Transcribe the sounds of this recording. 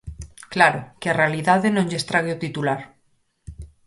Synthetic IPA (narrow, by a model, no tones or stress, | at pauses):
klaɾokearealiðaðenõŋʎest̪ɾaɣ̞eot̪it̪ulaɾ